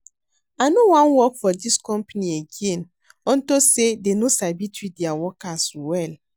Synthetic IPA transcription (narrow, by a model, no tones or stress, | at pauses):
anowãnwɔkfɔdiskɔ̃mpanieɡẽn | ɔ̃ntosedenosabitʰwidiawɔkaswɛl